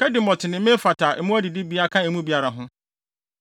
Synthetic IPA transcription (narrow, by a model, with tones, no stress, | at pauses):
kʰɛ˦dɪ˨mɔ˨tʰɪ˨nɪ̃˨mɪ̃˦fa˨tʰa˨ɛ˨˦mʊ̃˦æ˦dɪ˨dɪ˦bi˦a˦kʰã˦ɛ˨mũ˦bi˨a˨ɾa˨ɦʊ̃˦